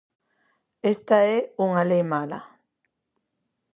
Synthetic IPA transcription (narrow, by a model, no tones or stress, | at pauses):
est̪aeuŋalemala̰